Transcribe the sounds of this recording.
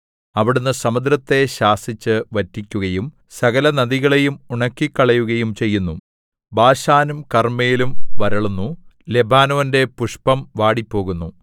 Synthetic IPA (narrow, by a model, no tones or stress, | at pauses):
ɐʋiɽunːɨsɐmɐd̪ɾɐt̪ːe̞ɕaːsit͡ɕːɨʋɐtːikʲːuɣɐjum | sɐɣɐlɐnɐðiɣɐɭejumuɳɐkːikːɐɭɐjuɣɐjumt͡ɕe̞jːunːu | baːɕaːnumkɐrmejilumʋɐɾɐɭunːu | le̞bʱaːnoʋɐnde̞puʂpɐmʋaːɽipːo̞ːɣunːu